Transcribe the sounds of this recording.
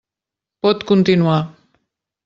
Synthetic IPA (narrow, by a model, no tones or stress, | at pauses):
pot̪kunt̪inũa